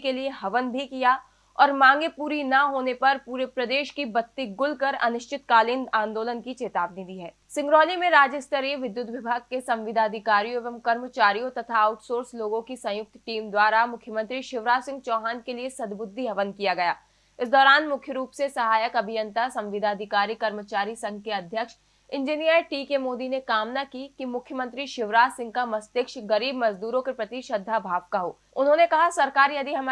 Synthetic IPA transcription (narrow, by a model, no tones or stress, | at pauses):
kelieɦɐʋənbʱikija | ɔːɾmãːŋɡepuːɾinɐɦoːnepɐɾpuːɾepɾɐd̪eːʃkibɐt̪ːiɡʊlkɐɾɐ̰nʊʃt͡ʃɪt̪kaːlɪnd̪ãːnd̪oːlənkit͡ʃeːt̪aːbnid̪iːɦɛː | sɪ̃ŋɡɾɔːlimẽɾaːd͡ʒəst̪əɾiʋɪd̪jʊt̪ʋɪbʱaːɡ̚kesɐ̃mʋɪd̪ʱaːd̪ʱɪkaːɾijoeʋəmkɐɾmət͡ʃaːɾijõt̪ɐt̪ʰaːʊʈsoːɾsloːɡõkisɐ̃jʊk̚t̪ʈiːmd̪waːɾamʊkʰjəmə̃nt̪ɾiʃɪʋɾaːsɪ̃ŋɡ̚t͡ʃɔːɦaːnkeliesɐd̪bʊd̪ʱːiɦɐʋənkijaɡɐjaː | ɪsd̪ɔːɾaːnmʊkʰjəɾuːpsesɐɦaːjəkɐbʱɪjə̃nt̪asɐ̃mʋɪd̪ʱaːd̪ʱɪkaːɾikɐɾmət͡ʃaːɾisɐ̃ŋɡkeɐd̪ʱjəkʃ | ɪ̃ɲd͡ʒinijəɾʈiːkemoːd̪inekaːmnakikimʊkʰjəmə̃nt̪ɾiʃɪʋɾaːsɪ̃ŋɡ̚kamɐst̪ɪkʃɡɐɾiːbmɐzd̪uːɾõkepɾɐt̪iʃəd̪ʱːabʱaːʋkaɦo̰ː | ʊnɦõnekɐɦasɐɾkaːɾjɐd̪iɦɐm